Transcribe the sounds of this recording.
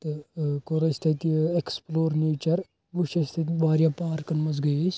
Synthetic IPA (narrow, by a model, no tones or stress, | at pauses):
t̪ɨkoɾɐsʲt̪ʰɐt̪ieksploːɾneːt͡ʃɐɾ | buʃɐsʲt̪ʰɐt̪ʲbaːɾjaːpaːɾkɐnmɐzɡɐjesʲ